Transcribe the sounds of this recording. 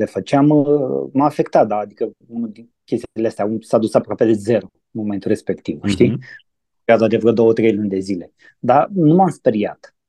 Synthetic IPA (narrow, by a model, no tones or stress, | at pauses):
d̪efət͡ʃeamməafe̞kt̪at̪̚d̪aːd̪ikəunuld̪inkʲest̪iileast̪ʲausad̪usapɾoape̞d̪e̞ze̞ɾo | nmo̞ment̪ure̞spe̞kt̪ivʃt̪i | azoad̪evəɾd̪o̞wət̪ɾe̞jlunʲd̪e̞zile̞ | d̪anumamspeɾia̰t̪